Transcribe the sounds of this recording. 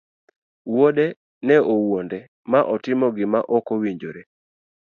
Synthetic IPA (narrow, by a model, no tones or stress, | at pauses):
wodɛ | nɛʔowondɛ | maʔɔtɪmɔɡɪmaʔɔkowiɲd͡ʒoɾe